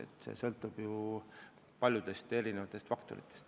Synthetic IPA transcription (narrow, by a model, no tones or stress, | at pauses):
ḛt̪ˑsḛsɤlt̪ːˑub̥ju | pɑlʲjud̪̥e̞st̪e̞ɾinevɑt̪ːˑe̞st̪fɑkt̪o̞̰ɾit̪ːˑest̪